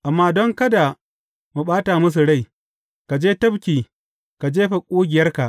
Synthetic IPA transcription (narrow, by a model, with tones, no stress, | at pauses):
ʔa˨mːaː˦dɔ˦ŋkɐ˦da˨ | mu˨ɓaː˦taː˨mʊ˦s̬u˨ɽa˦˨j | ka˨d͡ʒeː˦tɐ˦bkʲiː˨ | ka˨d͡ʒeː˦ɸa˨kʷʼuː˦ɡʲɪ˨jɐ˦rka˨ʔ